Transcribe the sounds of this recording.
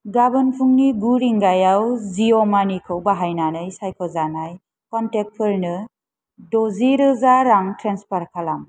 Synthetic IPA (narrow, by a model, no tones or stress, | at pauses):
ɡabɯnpʰuŋniɡuɾiŋɡajawzijɔmanikʰɯwbaɦajnanɯjsajkʰɔzanaj | kɔntek̚pʰɯɾnɯ | dɔziɾɯzaɾaŋtɾenspaɾkʰalam